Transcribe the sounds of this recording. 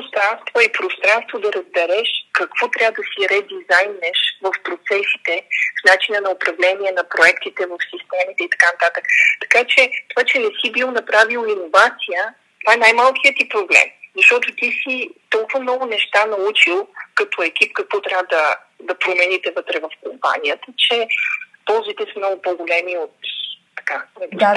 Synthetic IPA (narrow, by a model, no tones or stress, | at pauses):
st̪ɾanst̪voipɾost̪ɾanst̪vod̪ɐɾəzbɛɾɛʃkɐkv̥ɔt̪ɾʲabəd̪ɐsiɾɛd̪izajnɛʃvəfpɾot̪sɛsi̥t̪ɛfnat͡ʃinənɐopɾɐvlɛniɛnɐpɾoɛkt̪it̪ɛvəfsist̪ɛmit̪ɛit̪ɐ̥kanɐt̪at̪əkt̪ɐ̥kat͡ʃɛt̪ovat͡ʃɛnɛsibilˠnɐpɾavilˠoinovat̪sijə | t̪ovaɛnajmalˠkʲijət̪ipɾoblɛ̰mzɐʃt̪ɔt̪ot̪isit̪ɔlˠkʊvəmnɔɡʊnɛʃt̪anɐut͡ʃilˠkɐt̪ɔɛk̟ip̚kɐkvɔt̪ɾʲavəd̪ɐ | d̪ɐpɾomɛnit̪ɛvɤt̪ɾɛvɐfkompa̰niət̪ət͡ʃɛpɔlˠzit̪ɛsəmnɔɡʊpoɡolɛmiot̪t̪ɐ̥kanɛ